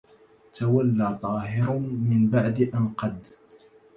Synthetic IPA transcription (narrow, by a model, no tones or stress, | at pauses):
t̪awalːaːt̪ˤɑːɦɪɾmɪnbaʕd̪ʔanqɑd̪